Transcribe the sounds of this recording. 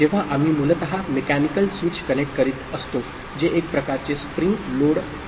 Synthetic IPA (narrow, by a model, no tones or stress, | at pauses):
d͡ʑeʋ̤aʔam̤iːmulət̪əɦamekænikəlsʋit͡ɕkənek̚ʈ̚kəɾiːt̪əst̪o | d͡ʑeʔek̚pɾəkaɾt͡sespɾiŋkloɽ